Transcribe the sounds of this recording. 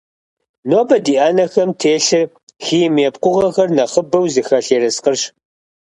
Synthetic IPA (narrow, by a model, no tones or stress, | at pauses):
noːbɐdiːʔaːnɐxɐmtʰeːɬɨ | xiːmeːp̚qʷʊʁɐxɐrnɐχəbɐwzɨxɐɬeːɾɐsqərɕ